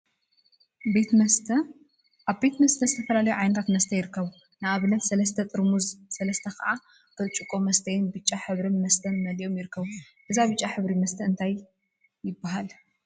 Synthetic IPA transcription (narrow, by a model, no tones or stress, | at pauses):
be | ʔaβbe̞t̪mɐst̪ʰɐzɨt̪ʰɐfɐlalɐjuʕajnɐt̪ʰat̪mɐst̪ʰɐjɪɾɨkːɐβu | nɨaβɨnɐt̪sɐlɐst̪ʰɐt̪ʼɨɾmuzsɐlɐst̪ʰɐkɐ̰ʔa | kʰɨt͡ʃʼukʼomɐst̪ʰɐjɪnbɨt͡ʃʼːaħɨβɾɨnmɐst̪ʰɐnmɐlijo̞mjɪɾɨkʰːɐβu | ʔɨzaβɨt͡ʃʼːaħɨβɾimɐst̪ʰɐɨnt̪ʰaj | jɪbːaɦal